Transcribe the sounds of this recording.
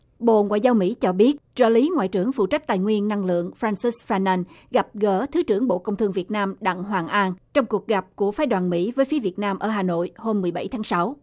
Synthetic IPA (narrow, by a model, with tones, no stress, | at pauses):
ɓo̰˧˨ŋwa̰ː˧˨jzaː˧wmḭ˧˥t͡ɕɔ˧ɓi˦˥ət̚t͡ɕəː˧˩li˨˦ŋwa̰ː˧˨jt͡ɕɨ˧˩əŋfṵ˧˨t͡ɕa˦˥k̟̚t̪a̰ː˨˩jŋwi˧ənːa˧ŋlɨ̰˧˨əŋfɾaː˧nsi˦˥sfaː˧na˧n | ɣa˨˩p̚ɣəː˧˩t̪ʰɨ˨˦t͡ɕɨ˧˩əŋɓo̰˧˨kə˧wŋ͡mt̪ʰɨ˧əŋvi˨˩ət̚naː˧mɗa̰˧˨ŋɦwaː˨˩ŋʔaː˧nt͡ɕɔ˧wŋ͡mku˨˩k̚ɣa˨˩p̚ku˧˩əfaː˨˦jɗwaː˨˩nmḭ˧˥vəː˨˦jfi˨˦vi˨˩ət̚naː˧mʔəː˧˩ɦaː˨˩no̰˧˨jho˧mːɨ˨˩əjɓa˧˩jt̪ʰaː˨˦ŋsa˨˦w